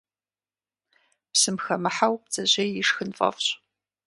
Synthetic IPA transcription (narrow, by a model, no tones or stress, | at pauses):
psɨmxɐmɨħawp̚d͡zɐʑejjɪʂxɨnfʼɐ̰fɕʼ